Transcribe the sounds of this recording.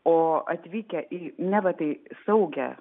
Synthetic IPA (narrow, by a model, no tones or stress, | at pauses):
oːɐt̪ʲʋʲiːkʲɛʔinʲɛʋɐt̪ɐɪsɐʊɡʲɛ̰